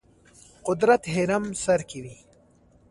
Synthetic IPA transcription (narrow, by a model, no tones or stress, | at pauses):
qʊd̪ɾat̪ɦeɾamsɐɾkiwi